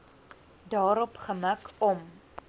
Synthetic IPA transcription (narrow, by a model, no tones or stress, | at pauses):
dɑːɾɔpχəməkɔm